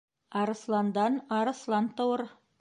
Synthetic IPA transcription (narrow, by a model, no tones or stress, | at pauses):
ɑɾɤ̆slˠɑnd̪ɑnɑɾɤ̆slˠɑnt̪ŏwɤɾ